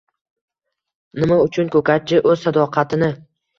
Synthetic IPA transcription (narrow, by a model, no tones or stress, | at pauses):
nɪmaʊt͡ʃʰʊnkʰɵkʰʲat̪̚t͡ʃʰɪʔɵzsad̪ɒqʰɑt̪ʰɪnɪ